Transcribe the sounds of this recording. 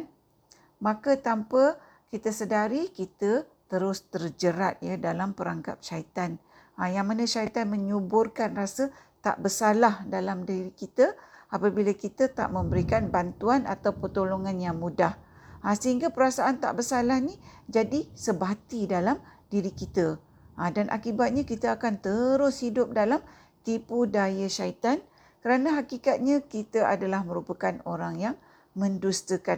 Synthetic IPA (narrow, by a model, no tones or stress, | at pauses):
n | makət̪ampə | kit̪əsədaɾikit̪ət̪əɾʊst̪ərd͡ʒəɾat̪̚jadalampəɾaŋka̰p̚ʃait̪an | ajaŋmanəʃait̪anməɲubʊrkanrasə | t̪a̰ʔbəsalahdalamdiɾikit̪əapabilakit̪ət̪a̰ʔmə̃mbəɾikanbant̪uana̰t̪awpət̪oloŋanjaŋmudah | asəɦiŋɡapəɾasaʔant̪a̰ʔbərsalahnid͡ʒadisəbat̪idalamdiɾikit̪ə | ʔːdanʔa̰kibat̪̚ɲakit̪aakant̪əɾʊshidʊp̚dalam | t̪ipudajaʃait̪an | kəɾanãɦakikat̪̚ɲãkit̪əʔa̰dalahmə̃ɾupakanoɾaŋjaŋ | mə̃ndust̪əka